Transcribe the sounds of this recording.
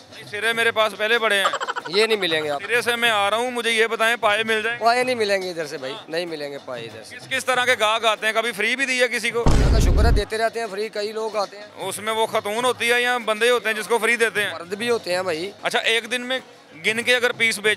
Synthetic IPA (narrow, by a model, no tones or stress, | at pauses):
sɪɾemeːɾepaːspɛːlebəɽeɦɛ̃ːjeːnə̃ɦĩːmɪlẽːŋɡeːaːɪɾeːsemɛ̃ːaːɾəɦũːmʊd͡ʒʱejeːbət̪aːẽpaːemɪld͡ʒaːeɡaːeːnəĩːmɪlẽːŋɡeɪd̪əɾseːbʱaːiːnəɦĩːmɪlẽːŋɡeːpaːḛɪd̪əɾsɪskɪst̪əɾãːkeɡãːkaːt̪eɦɛ̃ːkəbʱipʰəɾiːbʱiːd̪ɪːɦɛːk̬ɪs̬iːkoːãːkaʃʊkɾad̪eːt̪eɾɛɦt̪eɦɛ̃ːpʰəɾiːkəiloːɡaːt̪eɦɛ̃ʊsmẽʋoːxət̪uːnɦoːt̪iɦɛːjãːbə̃nd̪eɦoːt̪eɦɛ̃ːd͡ʒɪskopʰəɾiːd̪eːt̪eɦɛ̃ːəɾd̪bʱiːɦoːt̪eɦɛ̃ːbʱaːiːətːʃʰa̰ːʔeːkd̪ɪnmẽ | ɡɪnkeəɡəɾpiːsbeːd͡ʒ